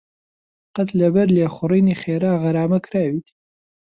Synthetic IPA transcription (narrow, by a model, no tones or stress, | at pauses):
qɐt̪lɐbɐɾleːχʊriːniːχeːɾaːɣɐɾaːmɐkɾaːwiːt̪